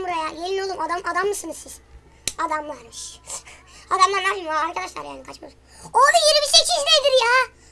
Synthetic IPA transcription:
muɾajajeninolˠumad̪amad̪amːɯsɯnɯzsiz̥ | ad̪amlˠaɾmɯʃ | ad̪amlˠaɾnaːpʰimaaɾkʰad̪aʃlˠa̰ɾja̰ːnikʰat͡ʃmuɾ | oɾd̪ajeɾibiʃejt͡ʃʰiʃnejd̪iɾjaː

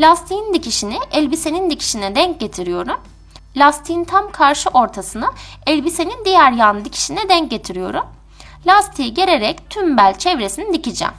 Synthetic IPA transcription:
lʲast̪ʰijind̪icʰiʃinɪɛlʲbise̞nind̪icʰi̥ʃinɛd̪ɛɲc̚ɟe̞t̪ʰiɾijo̞ɾum | lʲast̪ʰijint̪ʰamkʰaɾʃɯʔo̞ɾt̪ʰasɯnaɛlʲbise̞nind̪ijæɾjand̪icʰi̥ʃinɛd̪ɛɲc̚ɟe̞t̪ʰiɾijo̞̰ɾum | lʲast̪ʰijiɟeɾe̞ɾɛct̪ʰymbælʲt͡ʃʰɛvɾe̞sinid̪icʰid͡ʒæ̰m

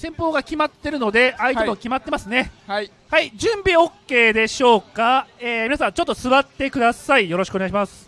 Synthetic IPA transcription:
sẽ̞mpo̞ːɡakʲimat̪ːe̞ɾɯ̟no̞d̪e̞ait̪emo̞kʲimat̪ːe̞masɨne̞ | haid͡ʑɨ̃mbʲio̞kːe̞ːd̪e̞ɕo̞ːkaeːmʲiasãɲt͡ɕo̞t̪ːo̞sɨβat̪ːe̞kɯ̟d̪asaijo̞ɾo̞ɕi̥kɯoneaɕimasɨ̥

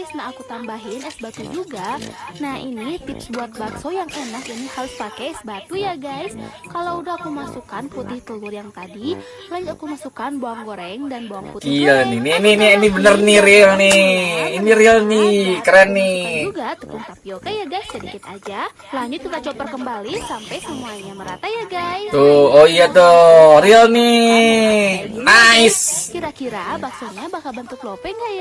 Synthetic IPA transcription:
isnaːkut̪ambaɦɪnɛsbat̪ud͡ʒuɡanahḭnit̪ɪpsbuat̪̚batsojaŋɛnakinikalʊspakɛɛsbat̪ujaɡajskalaudahakumasukanput̪ɪht̪əlʊrjaŋt̪adi | laɲd͡ʒʊt̪akumasukanboaŋɡoɾɛŋdanboaŋputilniniiniːniinibənərniɾilniiniɾiəlnikəɾɛnːiuɡat̪upuŋapikajaɡajsədikɪt̪̚ad͡ʒa | laɲʊt̪̚kik̪at͡ʃɔp̪ərkəmbalisampajsəmuaɲaməɾat̪ajaɡajt̪ooijat̪ɔriəlni | naɪskiɾakiɾabasaɲabakabant̪ut̪̚lopɛŋɡaja

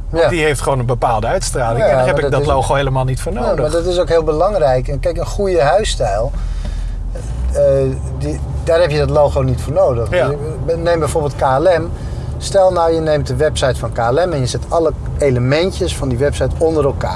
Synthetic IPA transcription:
adiɦejftχəʋownənbəpaːlˠdəœɥtstraːlɪŋɛaɪddlowχoɦejləmaːlˠnitfʊːɹnowdəmadɑtɪsowkɦɪːlˠbəlɑŋrɛjkɛnkɛjkənχujəɦœɥstɛjlˠ | daːɹɦɛpjədɑtlowχownitfʊːɹnowdəχ | nejmbɛjvoːɹbɪlˠt̚kaːɛlɛm | stɛlˠnawjənejmt̚dəʋɛpsɑjtfɑnkaːɛlɛmɛnjəzɪtʰɑlə | ejləmɛntəsfɑndiʋɛpsɑjtɔndərɛlˠka̰ː

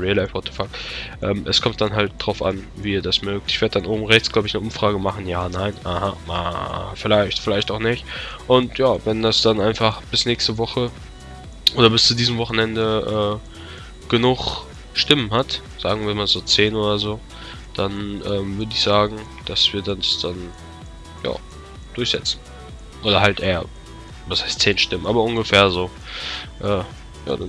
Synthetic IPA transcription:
ʁeːlaɪfpɔtʰəfaːk̚ʔɛ̰ːmʔɛskʰɔmt̚d̥anɦalt̚d̥ʁ̥aʊfʔa̰nviːiːɐdasmœːk̚tɪçv̥eːɐdəd̥anʔoːbm̩ʁɛçt͡sɡ̥laʊbəɪçnəʔʊmfʁ̥aːɡəmaχn̩jaːnaɪnʔahaa̰fɪlaɪçtfɪlaɪçtaʊxnɪçtʔʊntjaːvɛndasd̥anʔaɪnfaχb̥ɪsnɛːkstəvɔχə | ʔoːdɾɐbɪst͡sudiːzəmvɔχn̩ɛndəʔɛː | ɡ̥ənuχ | ʃtɪmənɦat | z̥aːɡŋ̩viːɐmaːlzoːt͡seːnʔoːdɐzoː | d̥anʔɛːmvʏɐdəɪçz̥aːɡŋ̩ | d̥asv̥iːɐdandasd̥an | ja̰ː | d̥ʊɐçz̥ɛt͡sn̩ | ʔoːdɐhaltʔeːɐ̰ | vashaɪstt͡seːnʃtɪmənʔaːbɐʊnɡəfeːɐzoː | ʔɛː | ja̰ːda

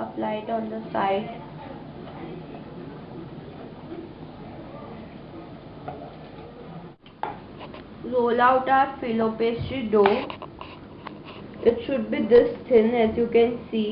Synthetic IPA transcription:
əflaɪʈɔ̃nd̪əsaɪɖ | ɾoːlaʊʈaːɾfiloːpeːsiɖoː | ʔɪʈʃʊɖ̚bid̪ɪst̪ʰɪ̃nɛzjukɛ̃nsiː

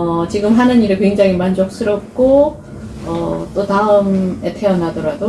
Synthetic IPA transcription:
ʌt͡ɕiɡɯmɦanɯniɾɯɭkwe̞ŋd͡ʑaŋimand͡ʑʌk̚s͈ɯɾʌp̚k͈o | ʌt͈otaɯme̞tʰe̞ʌnadʌɾado

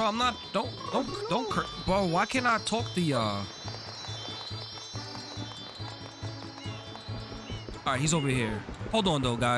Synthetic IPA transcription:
oaɪmnət̚d̥õʊ̃nd̥õʊ̃nkd̥õʊ̃nkʰəb̥ʌtwaɪkʰɨ̃naɪtʰɔk̚ðiʌ | ɑɹaɪhizoʊvə˞hiɹhoʊlˠdɔ̃ndoʊɡaɪ

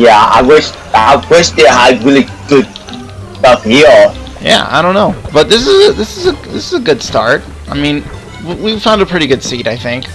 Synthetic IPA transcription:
jæa̰ɪwɪʃ | aɪkʰwɛʃtɨɦaɪdɹili | ɡ̥ʊd̚ | tʌfhi | jæ̰a̰ɪɾõʊ̃nːoʊb̥ʌt̪̚ðɪs̬ɨzəðɪsɨzəðɪsɨzəɡʊd̥stɑ̰ɹt̚ | aɪmĩn | wiwiv̥fãʊ̃ndəpʰɹ̥ɪɾiɡʊd̥siɾaɪθɪ̃ŋk

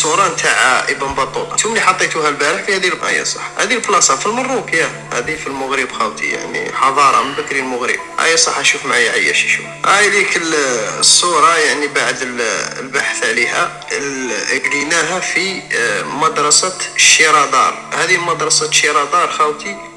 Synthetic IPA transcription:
sˤuɾˤɑnt̪aʕaʔəbəmbɑt̪ˤːut̪ˤɑt̪umliħɑt̪ˤːet̪uhælbæɾəħfihæd̪ilbʔæ̰jæ̰sˤɑ̥ħhæd̪iəlflɑsˤɑfilmɑrˤːukja | hæ̰d̪ifilmʊɣɾibxæwt̪ḭja̰ʕnḭħɑðˤɑɾˤɑ̰mənbək̪ɾilmʊɣɾḭb̚ʔæ̰jæsˤɑħæʃufmaʕajaʕajːæ̰ʃiʃṵ | ʔæd̪ikəlsːuɾˤɑjaʕnibaʕd̪əlbaħθʕlihæ | əɡlinæɦæfi | mɑd̪ɾˤɑsɑʃːiɾˤɑd̪ɑ̰ɾˤhæd̪iəlmɑd̪ɾˤɑsɑʃiɾˤɑd̪ˤɑɾˤxæwt̪i

